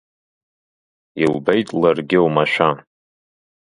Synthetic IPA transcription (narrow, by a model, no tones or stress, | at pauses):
ilbejtʼlarɡʲɪwmaʃʷᶣa